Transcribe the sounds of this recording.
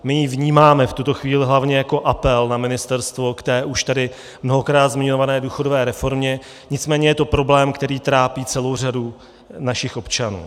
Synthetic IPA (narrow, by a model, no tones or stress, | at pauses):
mɪjivɲiːmaːmɛft̪ut̪o̞xviːlɪɦlavɲɛjako̞ʔapɛlnamɪnɪst̪ɛɾst̪vo̞kt̪ɛːʔuʃt̪adɪ | mno̞ɦo̞kɾaːt̪zmɪɲovanɛːduːxo̞do̞vɛːɾɛfo̞ɾmɲɛ | ɲɪt͡smɛːɲɛjɛt̪o̞pɾo̞blɛːmkt̪ɛɾiːt̪ɾaːpiːt͡sɛlo̞wr̝adu | naʃɪxʔo̞pt͡ʃanṵː